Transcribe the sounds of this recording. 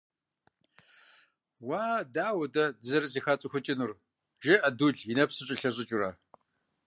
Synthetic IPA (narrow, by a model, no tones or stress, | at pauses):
waːdaːwɐdɐdɨzɐɾɐziːxɐt͡sʼɨxʷʊt͡ʃʼɪnur | ʒɪʔɐduɮjinɐpsɨɕʼɪɬɐɕʼɪt͡ʃʼʊrɐ